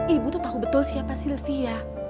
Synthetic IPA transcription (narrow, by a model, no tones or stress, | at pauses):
ibut̪ɔt̪akubət̪ɔlsiapasilfija